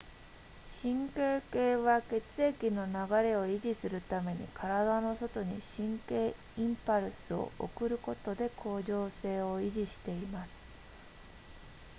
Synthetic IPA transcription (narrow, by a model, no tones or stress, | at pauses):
ɕĩŋke̞ːke̞ːβake̞t͡sɨe̞kʲino̞naɡaɾe̞o̞iʑisɨɾɯ̟t̪ame̞ɲ̟ḭkʰaɾad̪ano̞so̞t̪o̞ɲ̟iɕĩŋke̞ː | ĩmpaɾɯ̟sɨo̰o̰kɯ̟ɾɯ̟ko̞t̪o̞d̪e̞kʰo̞ːʑo̞ːse̞ːo̞iʑiɕi̥t̪e̞imasɨ̥